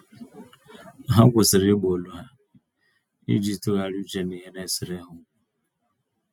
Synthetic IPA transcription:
ɦa˦ɡʷʊ˨sɪ˨ɾɪ˦ɡ͡bo˨lu˦ɦa˦ | ḭ˦d͡ʒi˦tu˦ɣa˨ɾu˦t͡ʃe˦ne˨ɦe˦ne˦sɪ˨ɾe˦ɦʊ˦

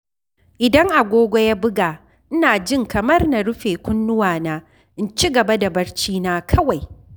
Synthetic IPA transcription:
ʔɪ˨dɐ˦ŋʔa˨ɡʷoː˦ɡʷo˦ja˦bʊ˦ɡaː˨ | ʔɪ˦naː˨d͡ʒɪ˦˨ŋkɐ˨mɐ˦rna˨ɽʊ˦ɸeː˨kʷʊ˦nːʊ˦waː˨naː˦ | ʔɪ˦nt͡ʃi˦ɡɐ˨ba˦da˨bɐ˦ɽt͡ʃiː˦naː˦kʰɐ˦wa˨j

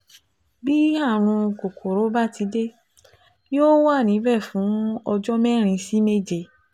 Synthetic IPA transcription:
bi˦a˦˨ɾ̃ũ˧ko˨kʰo˨ɾo˨˦ba˦˨ti˨˧˦de˦ | jo˦wa˦˨nĩ˨˦bɛ˦˨fũ˨˦ɔ˧d͡ʒɔ˦mɛ̃˦ɾ̃ĩ˧si˦me˦˨d͡ʒe˧˨

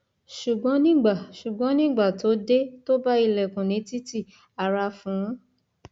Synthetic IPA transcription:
ʃu˨ɡ͡bɔ̃˨˦nĩ˦˨ɡ͡ba˨ʃu˨ɡ͡bɔ̃˨˦nĩ˦˨ɡ͡ba˦˨to˨˦de˦to˦ba˦i˦˧˨lɛ˨kũ˨nĩ˨˦ti˦ti˦˨ | a˨ɾa˧fũ˨˦

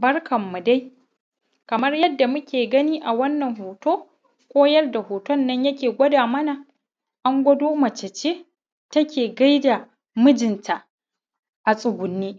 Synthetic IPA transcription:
bɐ˦rkɐ˨mːu˨da˦j | kɐ˨mɐ˦rjɐ˦dːa˨mʊ˦kʲeː˨ɡɐ˦niː˦ʔa˨wɐ˦nːɐ˨ŋɦoː˨toː˦ | kʷʼoː˦jɐ˦rda˨hoː˨tɔ˦nːɐ˦ɲjɐ˦kʲeː˨ɡʷɐ˦daː˨mɐ˦na˨ | ʔa˦ŋɡʷɐ˦doː˦mɐ˨t͡ʃɐ˨t͡ʃeː˦ | tɐ˦kʲeː˨ɡa˦jda˨ | mʊ˦d͡ʒɪ˨ntʰa˨ʔ | ʔa˨sʼʊ˨ɡʷʊ˨nːiː˦

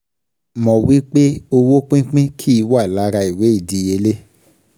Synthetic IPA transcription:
mɔ̃˨wi˦k͡pe˦o˧wo˦k͡pĩ˦k͡pĩ˦kʰi˦i˧wa˦˨la˨˦ɾa˧i˨we˨˦i˦˨di˧je˧˦le˦

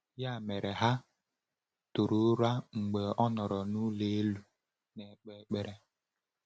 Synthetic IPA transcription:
ja˦˨me˨ɾe˨ɦa˦ | tu˨ɾu˦ɾa˦ŋ͡m̩˨ɡ͡be˨ɔ˦nɔ˨ɾɔ˨nu˦le˦e˦lu˦ | ne˨k͡pe˦˨˦k͡pe˨ɾe˦

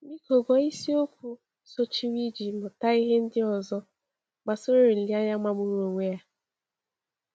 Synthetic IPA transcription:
mi˦ko˨ɡɔ˨i˦si˦o˦kʷu˦ | so˦t͡ʃi˦wi˦d͡ʒi˨mʊ˨ta˦i˦ɦe˦n̩˦dɪ˦ɔ˨zɔ˦ | ɡ͡ba˨so˦ɾo˦ɾi˨li˦a˦ɲa˦ma˦mʊ˦ɾu˦o˨ŋʷe˦ja˦

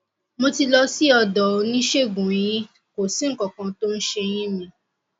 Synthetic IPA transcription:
mo˧ti˧lɔ˧si˦ɔ˧dɔ˨˧nĩ˦ʃe˦˨ɡũ˨j̃ĩ˦ | ko˨si˨˦ŋ̩˦kɔ˨kã˧to˦n̩˦ʃe˧j̃ĩ˦mĩ˧

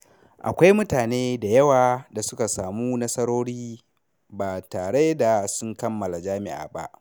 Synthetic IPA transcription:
ʔa̰˨kʷa˦jmʊ˦taː˨neː˦da˨jɐ˦waː˨da˨sʊ˦ka˨saː˨muː˦nɐ˦sɐ˦ɾoː˦ɽiː˦ | baː˨taː˨ɽe˦da˨sʊ˦ŋkɐ˦mːɐ˨la˨d͡ʒaː˦mɪ̰˦ʔa̰ː˨ba̰˦ʔ

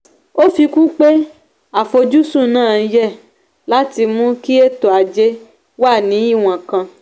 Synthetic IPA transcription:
o˦fi˧kũ˦k͡pe˦ | a˨fo˧d͡ʒu˦sũ˦˨nãː˦˨˧jɛ˦˨ | la˦ti˧mũ˦ki˦e˦˨to˨a˨˧d͡ʒe˦ | wa˦˨nĩ˨˦i˦˨w̃ã˨kã˧

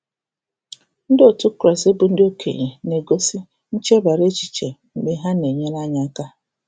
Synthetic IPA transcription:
n̩˦dɪ˦o˨tu˦kɾɔ˨se˦bʊ˨n̩˦dɪ˦o˦kʰḛ˨ɣe˨ne˨ɡo˦si˦ | n̩˦t͡ʃe˦ba˨ɾe˦t͡ʃi̥˨t͡ʃe˨m̩˨ɡ͡be˨ɦa˦ne˨ɲe˦n˦a˦ɲa˦ka˦

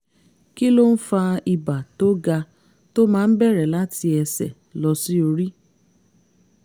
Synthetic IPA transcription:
ki˦lo˦n̩˦fa˧i˧ba˨to˦ɡa˧ | to˦mãː˦˧n̩˦bɛ˦˨ɾɛ˨la˦ti˧ɛ˧sɛ̰˨ | lɔ˧si˦o˧ɾi˦

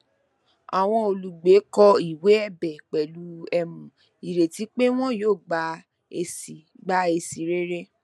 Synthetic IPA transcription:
a˨w̃ɔ̃˧o˨lu˨ɡ͡be˨˦kɔ˧i˨we˨˦ɛ˦˨bɛ˨k͡pɛ˨lu˨˦ɛ˧mũ˨ | i˨ɾe˨ti˨˦k͡pe˦w̃ɔ̃˦joː˦˨ɡ͡ba˧˦ | e˧si˨ | ɡ͡ba˦e˧si˨ɾe˦ɾe˦

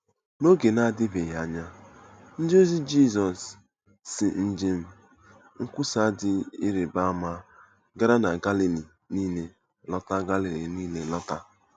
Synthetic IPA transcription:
no˦ɡe˨na˦dɪ˦be˨ja˦ɲa˦ | n̩˦d͡ʒo˦zi˦d͡ʒi˦˨zɔ˨sː | ɪ˨n̩˦d͡ʒɪ˦m̩˦ | ŋ̩˦kʷʊ˦sa˦dɪ˦i˦ɾe˨ba˦ma˦ | ɡa˦ɾa˦na˨ɡa˦li˨li˨ | niː˦ne˨ | lɔ˦ta˦ɡa˦li˨li˨niː˦ne˨lɔ˦ta˦

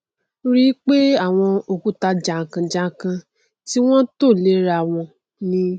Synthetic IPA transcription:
ɾi˦k͡pe˦a˦˨w̃ɔ̃˧o˧ku˨˦ta˧d͡ʒa˨kã˧d͡ʒa˦kã˧ | ti˦w̃ɔ̃˦to˦˨le˦ɾa˧˨w̃ɔ̃˧ | nĩ˧˦

